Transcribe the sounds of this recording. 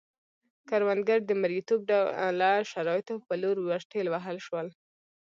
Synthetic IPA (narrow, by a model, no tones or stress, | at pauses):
kaɾwand̪ɡaɾd̪əmaɾɡit̪ob̚ɖalaʃaɾɑjɪt̪opəloɾwasʈelwaɦəlʃwəl